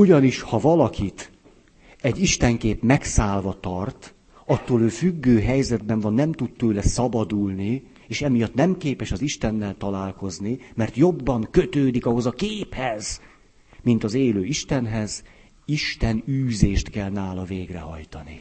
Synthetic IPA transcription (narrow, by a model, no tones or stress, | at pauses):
uɟɒniʃhɒvɒlɒkʰit̪ | ɛɟːiʃt̪ɛŋkeːpmɛksaːlvɒt̪ɒrt̪ | ɒt̪ːoːløːfyɡːøːɦɛjzɛd̪bɛɱvɒnːɛmt̪ut̪t̪øːlɛsɒbɒd̪ulni | eːʃɛmijɒt̪nɛmkeːpɛʃɒziʃt̪ɛnːɛlt̪ɒlaːlko̞znimɛrt̪jo̞bːɒŋkø̞t̪øːd̪ikɒɦo̞zɒkeːphɛz | mint̪ɒzeːløːiʃt̪ɛnɦɛz | iʃt̪ɛnyːzeːʃt̪kɛlnaːlɒveːɡrɛ̰ɦɒ̰jt̪ɒni